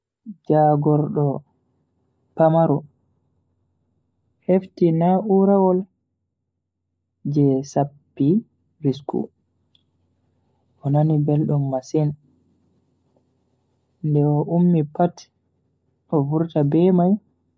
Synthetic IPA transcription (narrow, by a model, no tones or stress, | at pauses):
d͡ʒaːɡɔɾɗɔ | pamaɾɔ | heftinaʔuɾawɔl | d͡ʒɛsapːi | ɾiskṵ | ʔɔnanibɛlɗumːasin | ndɛɔʔumːipat | ʔɔvuɾtabɛmaj